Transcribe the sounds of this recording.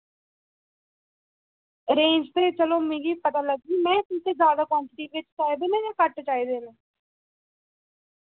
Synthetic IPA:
ɾẽːɲd͡ʒt̪eːt͡ʃəloːmẽːɡiːpət̪aːləɡ̚d͡ʒiːmɛ̃ːt̪ʊt̪eːzjaːd̪aːkwãːɳʈɪʈiːʋɪt͡ʃt͡ʃaːjd̪enẽːjaːkəʈt͡ʃaːiːd̪eːnẽː

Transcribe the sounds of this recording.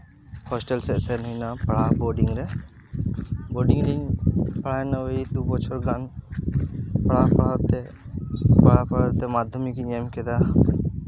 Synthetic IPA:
hɔsʈɛlsɛʔsɛninapaɽabɔɖiŋɾɛ | bɔɖiŋɾiŋpaɭaɛnait̪upɔt͡ʃʰɔɾɡan | paɭapaɭat̪ɛ | paɭapaat̪ɛmad̪ʱɔmikiɲɛmkɛd̪a

